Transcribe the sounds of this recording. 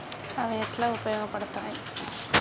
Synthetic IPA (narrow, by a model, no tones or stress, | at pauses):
ɐʋɐɛt̪ːlãʊpɐjoːɣɐpːɐɽɯt̪ːãː